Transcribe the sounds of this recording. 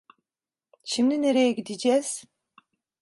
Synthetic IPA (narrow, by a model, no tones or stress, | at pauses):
ʃimd̪ineɾejɛɡʲid̪id͡ʒɛs